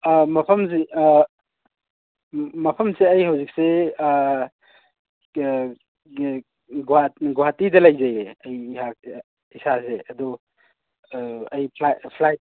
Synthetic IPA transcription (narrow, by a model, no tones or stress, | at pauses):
mɐpʰɐms̬e | mɐpʰɐmseɐjhawzik̚se | ɡaɡuatidɐlɐjzajeɐjhak | isaseɐdɔ | ɐjpʰpʰlajt̚